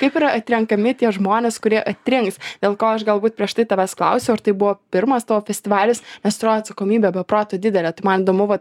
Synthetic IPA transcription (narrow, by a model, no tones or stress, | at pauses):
kɐɪpiːɾɐɐt̪ʲɾʲɛŋkɐmʲɪt̪ʲiɛʒmoːnʲeːskʊɾʲiɛʔɐt̪ʲɾʲɪŋksd̪ʲeːlˠkoːɐʃɡɐlˠbuːt̪̚pʲɾʲiɛʃt̪ɐɪt̪ɐʋʲæsklˠɐ̰ʊsʲɛʊɐɾt̪ɐɪbʊʋoːpʲɪɾmɐst̪ɐʋofʲɛsʲt̪ʲɪʋɑːlʲɪsnʲɛsst̪ʊɾoːjɐt̪sɐkoːmʲiːbʲɛbʲɛpɾoːt̪oːd̪ʲɪd̪ʲɛlʲɛːt̪ɐɪmɐniːd̪oːmʊʋɐt̪